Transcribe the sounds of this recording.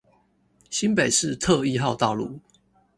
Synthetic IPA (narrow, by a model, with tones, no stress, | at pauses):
ɕi˦npe˨˩ɪʂɻ̩˥˨t̪ʰɤ˥˧i˥˧xɑ˥˧ʊt̪ɑ˥˧ʊlu˥˩